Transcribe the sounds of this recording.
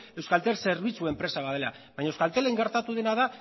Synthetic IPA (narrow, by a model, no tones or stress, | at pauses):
e̞wskalt̪e̞lse̞ɾβ̞it͡suempɾe̞saβaðe̞la̰ | βajɲaewskalt̪e̞le̞ŋɡe̞ɾt̪at̪uð̞e̞naða